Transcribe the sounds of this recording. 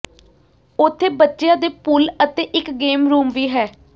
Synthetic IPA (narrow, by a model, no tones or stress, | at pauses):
ʊt̪ʰːeːbətːʃejãːd̪eːpʊlət̪eːʔɪkɡeːmɾuːmʋiːɦɛː